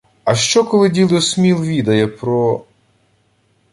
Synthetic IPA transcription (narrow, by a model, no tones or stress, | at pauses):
ɐʃt͡ʃɔkɔlˠɪdʲilˠɪsmʲilˠʋʲid̪ɐjɛpɾɔ